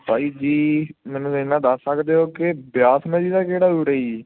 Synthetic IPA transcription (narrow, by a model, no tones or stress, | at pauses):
paːiːd͡ʒiːmɛ̃ːnũːɪnːãːd̪əsːəkd̪eːoːkebjaːsmɛ̃ːd͡ʒiːd̪aːkeːɽaːuːɾeːi